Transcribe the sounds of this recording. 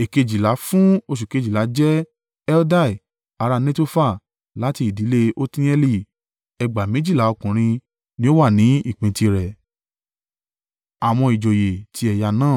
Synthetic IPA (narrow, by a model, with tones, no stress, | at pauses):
e˨ke˧d͡ʒi˨la˨˦fũ˦o˧ʃ̬u˨ke˨˧d͡ʒi˨la˨˦d͡ʒɛ˦ | ɛ˦lda˦˨i˨ | a˧ɾa˧nẽ˦to˧fa˦˨ | la˨˦ti˧˨di˨˦le˦ʔo˦tĩ˦ɛ˧li˧˨ | ɛ˧ɡ͡ba˨mẽ˦d͡ʒi˦˨la˨˦ɔ˧kũ˨ɾ̃ĩ˧ | nĩ˦o˦wa˦˨nĩ˨˦i˦˨k͡pĩ˨˦ti˧ɾɛ˨ | a˨w̃ɔ̃˧i˨d͡ʒo˨je˨tʰi˨˦ɛ˧ja˧nãː˦˨